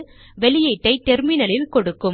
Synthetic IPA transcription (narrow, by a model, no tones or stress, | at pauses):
ʋɛlɪjɐɪʈːɐɪt̪ɛɾmɪnɐlɪlkɔɽɯkːɯm